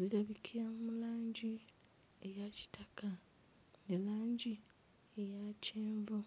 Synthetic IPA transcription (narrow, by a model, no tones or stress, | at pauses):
ziɾaβikʰijammulaːɲɟi | ejaci̥takʰa | nelaːɲɟi | ejacʰeːɱvo